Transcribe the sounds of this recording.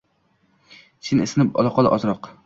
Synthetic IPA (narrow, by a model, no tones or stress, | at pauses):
ʃʰɪnesɪnɪpɒ̰lˠɑqʰɒlˠaʔɒzɾɒq